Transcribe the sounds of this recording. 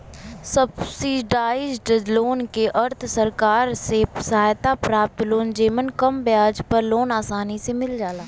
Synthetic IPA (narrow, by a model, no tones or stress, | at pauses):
səbsiːɖaːɪd͡ʒɖloːnkeʔəɾt̪ʰsəɾkaːɾsesɐɦaːjt̪apɾaːp̚t̪loːnd͡ʒeːmənkəmbɪjaːd͡ʒpəɾloːnaːsaːnisemɪld͡ʒaːlaː